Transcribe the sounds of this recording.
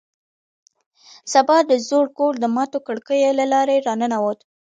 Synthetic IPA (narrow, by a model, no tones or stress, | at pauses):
sabɑd̪əzoɽkold̪əmɑt̪okəɽkəjelalɑɾeɾɑnənawot̪